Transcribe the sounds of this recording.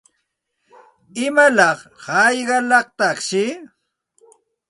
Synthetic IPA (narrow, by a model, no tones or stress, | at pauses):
ɪmalɑχhɑjɢɑlɑqt̪ɑχʃɪ